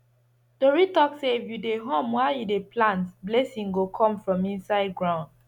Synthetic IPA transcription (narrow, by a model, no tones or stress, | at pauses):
d̥oɹitɔksevjudeɦõmwajudeplãntblɛsĩŋɡokʰɔ̃mfɹɔ̃mĩnsaɪd̚ɡɹãʊ̃nd